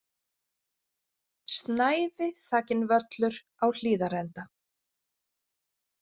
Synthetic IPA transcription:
st̪naːjvɪθaːcɪnvœt̪lʏɾ̥ | awl̥iːðaɾɛnt̪a

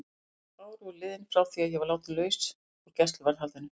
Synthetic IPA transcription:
aːwɾulɪːðɪnfɾaːwθiaðjɛvaɾlaːwt̪ɪlœːɥs | ɔɣcɛst̪lvaɾðɦalt̪ʏnʏ

